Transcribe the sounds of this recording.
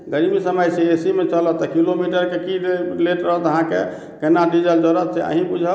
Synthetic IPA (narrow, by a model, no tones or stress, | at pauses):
ɡəɾibisəməjseesimet͡ʃələt̪ɔkilomiʈəɾkekileʈɾəɦət̪əɦãke | kenaɖid͡ʒəld͡ʒəɾət̪seʔə̰ɦĩbud͡ʒʱə